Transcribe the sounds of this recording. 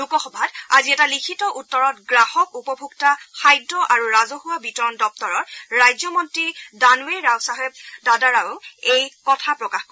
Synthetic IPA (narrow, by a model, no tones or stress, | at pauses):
lukɔxɔbʱadaziɛtalikʰitɔʔutːɔɹɔtɡɹahɔkupɔbʱuɡtaxajdːɔʔaɹuɹazɔhuwabitɔɹɔndɔp̚tɔɹɔtɹajzɔmɔntɹidanueɹawsaɦɛb̚dadaɹawejkɔtʰapɹɔkaxko